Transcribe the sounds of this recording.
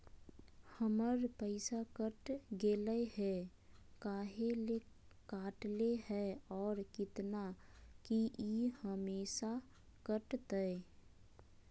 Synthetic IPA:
həməɾpəɪsakəʈɡeːləɦɛ | kaːɦele | kaːʈleɦɛɔːɾkɪt̪nakiʔihəmeːʃa | kəʈt̪əe

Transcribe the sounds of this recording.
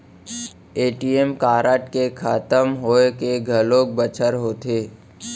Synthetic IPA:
eːʈiːemkaːɾəʈkekʰaːt̪əmɦoːekeɡʱəloːk̚bət͡ʃʰəɾɦoːt̪eː

